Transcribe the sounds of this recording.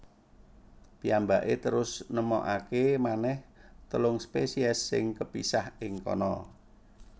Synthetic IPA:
piambaʔet̪əɾʊsnəmɔʔakemanɛht̪əlʊŋspesiɛsːɪ̰ŋkəpisahɪŋkɔ̰nɔ̰

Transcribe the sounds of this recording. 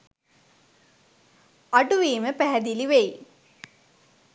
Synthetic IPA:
aʈuʋiːməpæɦæd̪iliʋeji

